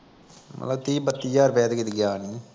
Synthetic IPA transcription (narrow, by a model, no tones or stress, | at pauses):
mə̰t̪ləbt̪iːbət̪ːiːjaɾpɛːt̪kit̪ɡaːni